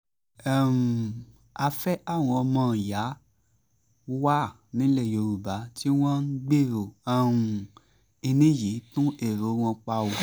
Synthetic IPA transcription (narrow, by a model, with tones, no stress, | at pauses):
ɛ˦˨m˨ | a˧fɛ˦a˦˨w̃ɔ̃˧ɔ˧mɔ̃˧˨ja˨˦ | wa˦˨ | nĩ˨˦lɛ˦˨jo˨ɾu˨ba˨˦ti˦w̃ɔ̃˦n̩˦ɡ͡be˦˨ɾo˨a˦ũ˨ | i˧nĩ˦˨ji˨˦tũ˦ʔe˦˨ɾo˨˦w̃ɔ̃˧k͡pa˧o˨